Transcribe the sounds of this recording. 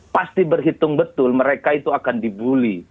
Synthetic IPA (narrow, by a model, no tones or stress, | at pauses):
past̪ibərɦit̪ʊŋbət̪ʊlməɾekait̪uakandibuli